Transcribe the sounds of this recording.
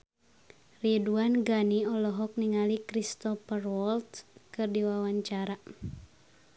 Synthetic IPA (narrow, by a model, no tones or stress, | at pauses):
riduanɡaniɔlɔɦɔk̚niŋalikɾist̪ɔfərwɔlt̪kɨrdiwawaɲt͡ʃaɾa